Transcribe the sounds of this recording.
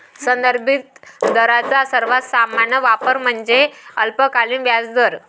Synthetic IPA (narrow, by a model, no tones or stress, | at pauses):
sənd̪əɾbʱit̪d̪əɾat͡sasəɾʋasamaɳnəʋapəɾm̤əɳd͡zeəlpəkaliːnʋjad͡zd̪əɾ